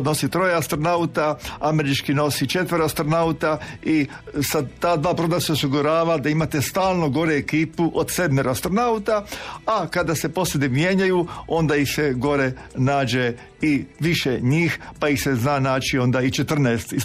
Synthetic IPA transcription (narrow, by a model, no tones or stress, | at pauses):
d̪no̞sit̪ɾo̞jeast̪ɾo̞naut̪aame̞ɾit͡ʃkino̞sit͡ʃe̞t̪ʋəɾast̪ɾonaut̪ai | sad̪t̪aːd̪ʋaːpɾod̪aseosiɡuɾaːʋad̪aimat̪e̞st̪aːlˠno̞ɡo̞ɾeekiːpuʔod̪sed̪meɾast̪ɾonaut̪aakad̪ase̞po̞sled̪imje̞ɲajuo̞nd̪aixseɡo̞ɾe̞naːd͡ʒe̞ | iʋiʃeɲiːxpaixseznaːnaːt͡ʃio̞nd̪ait͡ʃe̞t̪r̩nɛːst̪i